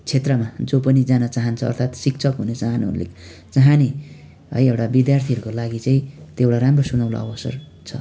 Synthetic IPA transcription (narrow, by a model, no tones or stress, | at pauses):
t͡sʰet̪rʌmad͡zopʌnid͡zanʌt͡saɦʌnt͡sʰʌ̰ːrt̪ʰat̪sik̚t͡sʰʌkɦunet͡saɦanuʌ̰ɾlḛkt͡saɦani | ɦʌjewɽabid̪jart̪ʰiʌɾukolaɡit͡saĩt̪ewɽaɾamrosunawla̰ʌ̰bʌsʌ̰r | t͡sʰʌ̰